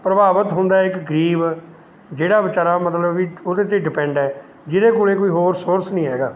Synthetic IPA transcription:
pɾəbaːʋət̪ɦʊ̃nd̪aːɛɪkɡəɾiːb | d͡ʒeːɽaːbɪt͡ʃaːɾaːmət̪ləbːiːod̪eːt̪eːɖɪpɛ̃ːɳɖɛː | d͡ʒɪd̪eːkuːleːkoːiːɦoːɾsoːɾsnĩːɦɛːɡa̰ː

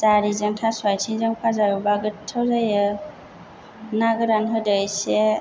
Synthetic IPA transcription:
zaɾizɯŋtʰaswajtʰiŋzɯŋpʰazaɾubaɡɯtʰawzajɯ | naɡɯɾanɦɯdɯjse

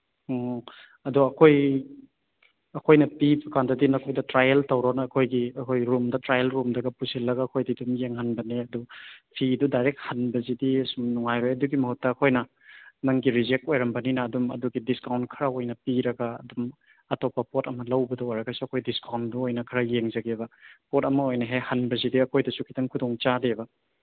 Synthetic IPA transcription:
ɐduɐkʰoj | ɐkʰojnɐpibɐkandɐdinɐkʰojdɐtɾajeltɐwɾonɐːkʰojɡiɐkʰojɾumdɐtɾajelɾumdɐɡɐpusilːɐɡaːkʰojdidumjeŋhanbɐneɐdupʰidudajɾek̚hanbɐzidisumnuŋajɾojɐduɡimɐhut̚ːɐːkʰojnɐ | nɐŋɡiɾid͡ʒek̚t̚ojɾɐmbɐninɐːdumɐ̰duɡidiskawntkʰɐɾɐojnɐpiɾɐɡɐ̰ːdum | ɐtopːɐpotɐmɐlɐwbɐdɐojɾɐɡɐsuɐkʰojdiskawntduojnɐkʰɐɾɐjeŋd͡ʒɐɡebɐpot̚ɐmɐojnɐɦejhɐnbɐzidiɐkʰojdɐsukʰi̥tʰɐŋkʰudoŋt͡ʃadebɐ

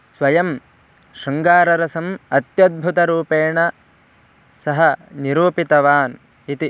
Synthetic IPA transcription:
sʋɐjɐm | ʃɐŋɡaːɾɐɾɐsɐmɐt̪jɐd̪̚bʱut̪ɐɾuːpeːɳɐ | sɐɦɐniɾuːpit̪ɐʋaːn | it̪i

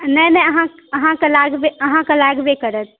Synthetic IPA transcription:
nəjnɛəɦã | əɦãkelaɡbeəɦãkəlaɡbekəɾət̪

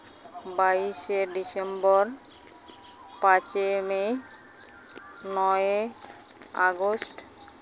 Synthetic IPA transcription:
baiʃeɖisembɔɾ | pãt͡ɕemej | nɔe | a̰ɡosʈ

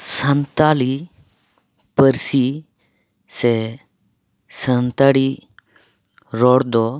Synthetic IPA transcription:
sə̃nt̪aːli | pəɾsi | se | sənt̪aɽi | ɾɔɽd̪ɔ

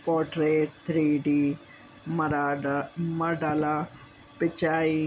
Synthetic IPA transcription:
kɔːʈɾeːʈ̚t̪ʰɾiːɖiː | məɖaːlaː | pɪt͡ʃaːiː

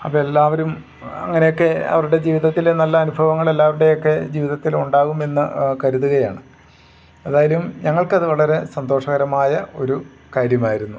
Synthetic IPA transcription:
ɐpːoːelːaːʋɐɾum | ɐ̰ŋːɐne̞jokːe̞ɐ̰ʋɐɾuɽe̞d͡ʑiːʋiðɐt̪ːilenɐlːɐːnubʱɐʋɐŋːɐɭelːaːʋɐɾuɽe̞jo̞kːe̞d͡ʑiːʋiðɐt̪ːiluɳɖaːɣume̞nːɨkɐɾuðuɣɐjaːɳɨ | eðaːjɐlumɲɐŋːɐɭkɐðɨʋɐɭɐɾe̞sɐnd̪o̞ːʂɐɣɐɾɐmaːjɐo̞ɾu | kaːɾjɐmaːjiɾunːu

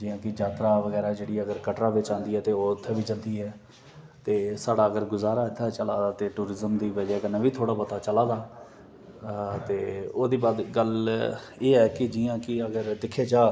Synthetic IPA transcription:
d͡ʒiːãːkɪd͡ʒaːt̪ɾaːʋəɡɛːɾaːd͡ʒeːɽiːɛəɡəɾkəʈɾaːʋɪt͡ʃãːnd̪iːɛːt̪eːoːɪt̪ʰːeːʋiːd͡ʒə̃nd̪iːɛː | t̪eːsaːɖaːəɡəɾɡʊzaːɾaːɪt̪ʰːaːt͡ʃəlaːd̪aːt̪eːʈuːɾɪzəmd̪iːʋəd͡ʒɛːkənːẽːʋiːt̪ʰoːɽaːpət̪aːt͡ʃəlaːd̪aː | t̪eːoːd̪iːbaːd̪ɡəl | eːɦɛːkɪd͡ʒiːãːkɪəɡəɾd̪ɪkʰːeːd͡ʒaː

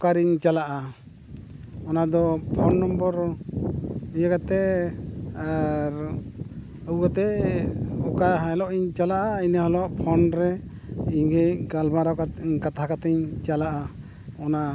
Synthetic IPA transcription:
ɔkaɾiɲt͡ʃalaʔa | ɔnad̪ɔpʰɔnːɔmbɔɾ | ujakat̪ɛ | aɾ | əwkat̪ɛ | ɔkaɦãɛlɔʔiɲt͡ʃalaʔainahɔlɔʔpʰɔnɾɛ | iɲɡecɡalmaɾakkat̪aɦakat̪ɛɲt͡ʃalaʔa | ɔna

